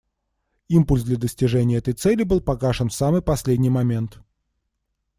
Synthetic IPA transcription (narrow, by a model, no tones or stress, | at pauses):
impʊlʲsd̪lʲəd̪əsʲtʲɪʐɛnʲɪjəɛt̪əjt̪sɛlʲɪbɨlˠpɐɡaʂənfsamɨjpɐsʲlʲedʲnʲɪjmɐmʲe̞nt̪